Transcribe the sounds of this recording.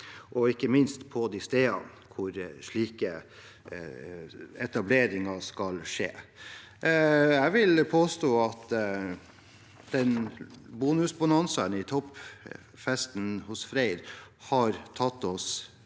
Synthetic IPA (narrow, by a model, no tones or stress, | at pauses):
ʔɔɪkːəmɪnst̪pʰɔd̪ist̪eːɑ̰n | kʰʊɾʂɭiːkə | ɛt̪ɑbleːɾɪŋɑskɑlʂḛː | jæʋɪlpʰoːst̪oːɑt̪ | d̪̥ɛnbuːnʉsbɑnɑnsənɪt̪ʰɔp | fɛst̪n̩hʊsfɾæɪd̪hɑɾt̪ʰɑt̪ːɔs